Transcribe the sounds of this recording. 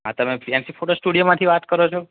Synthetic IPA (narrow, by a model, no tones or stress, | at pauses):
ɦã̰t̪əmefɾiansifʰoʈosʈuɽijomãt̪ʰiʋat̪kəɾot͡ʃʰo